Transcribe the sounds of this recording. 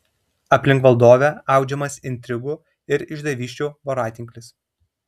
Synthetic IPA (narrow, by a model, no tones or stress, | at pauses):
ɐpʲlʲɪŋkʋɐlˠd̪oːʋʲɛɐˑʊd͡ʒʲɛmɐsɪnʲt̪ʲɾʲɪɡu | ɪɾɪʒd̪ɐʋʲiːʃʲt͡ʃʲuːʋɔɾɑːt̪ʲɪŋʲkʲlʲɪs